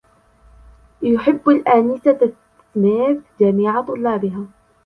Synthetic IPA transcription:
jʊħɪbːalʔanɪsa | maːθd͡ʒamiːʕat̪ˤʊlːɑːbɪɦaː

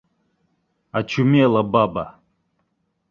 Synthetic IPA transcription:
at͡ʃʰumelˠababa̰

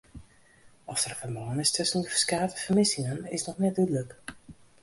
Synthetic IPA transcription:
ɔsərfərmɔːənɪstʰɵsəndəfə̥rskaːtə̥fərmɪsɪŋənɪsnɔxnɛt̚dydlək

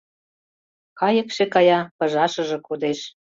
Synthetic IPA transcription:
kɑjə̆kʃekɑjɑpɤ̆ʒɑʃɤ̆ʒɤ̆kod̪eʃ

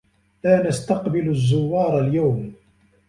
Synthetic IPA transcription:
laːnast̪ɑqbɪlʊzːʊwːɑːɾˤɑljawm

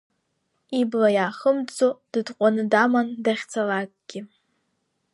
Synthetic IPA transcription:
iblajaːχəmt͡sʼod̥ɨdqʷʼanɨdamandaχʲt͡sʰalakʼɡ̥ʲɪ

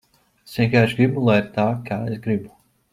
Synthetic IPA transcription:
sʲɛkaeʃɡɾibulˠajɾt̪aːkaːesɡɾibu

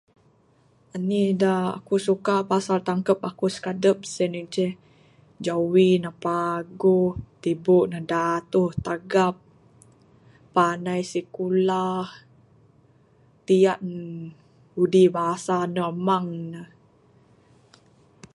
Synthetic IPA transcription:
anidaa̰kusukapasalt̪aŋkəp̚akusə̥kadəp̚sənəŋt͡ʃɛh | d͡ʒawinahpaɡoht̪iboʔnədat̪uht̪aɡap̚ | anajsikulah | t̪ijaʔ | udibaɦasanəmaŋnəh

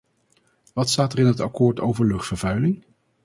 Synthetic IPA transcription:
ʋɑtstaːtərɪnɦətɑkʊːɹtʰowvəɹlɵχtfəɹvœɥlɪŋ

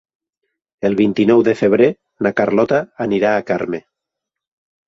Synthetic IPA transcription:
elˠβ̞int̪inɔwðefeβ̞ɾe | nakaɾlɔt̪aːniɾaːkaɾme

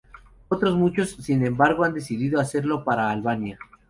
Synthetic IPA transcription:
o̞t̪ɾo̞zmut͡ʃo̞sːinẽ̞mbaɾɣoand̪e̞siðiðo̞ase̞ɾlo̞paɾaːlβanja

